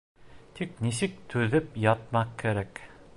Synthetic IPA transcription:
t̪ʰik̚nis̬ɘk̚t̪ʰʉðɘpjɑt̪̚mɑq̚kːɘ̆ɾæk

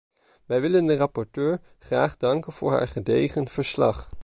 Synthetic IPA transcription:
ʋɛjʋɪləndərɑpɔɹtøːɹ | χraːχdɑŋkənv̥ʊ̰ːɹɦa̰ːɹχədejχənv̥əɹslɑ̰χ

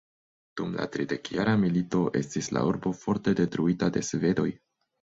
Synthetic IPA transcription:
d̥umla̰tɾide̞kjaɾamilito̞ʔe̞̰stisla̰uɾbo̞fo̞ɾte̞de̞tɾuitade̞sve̞do̞j

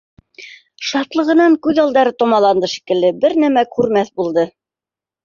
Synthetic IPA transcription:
ʃɑt̪lˠɤ̆ʁɤ̆nɑŋkʉðɑlˠd̪ɑɾɤt̪ŏmɑlˠɑnd̪ɤʃi̥kɘ̆lːɘbɘɾnæmækʉɾmæθbulˠd̪ɤ

